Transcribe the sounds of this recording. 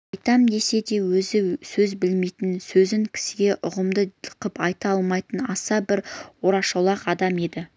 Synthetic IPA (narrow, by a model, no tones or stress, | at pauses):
ɑjt̪ɑmd̪e̞se̞d̪e̞wɵzɪsɵzbɪlme̞jt̪ɪnsɵzɪŋkʲʰɪ̥sɪɡʲe̞ʔʊʁəmd̪əəqəpɑjt̪ɑɑlˠmɑjt̪ənɑsɑbɪɾwo̞ɾɑʃolˠɑqɑd̪ɑme̞d̪ɪ